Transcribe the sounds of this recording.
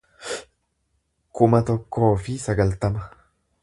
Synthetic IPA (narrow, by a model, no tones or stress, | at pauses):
kʊmɐt̪ɔkːo̞ːfɪsɐɡɐlt̪ɐmɐ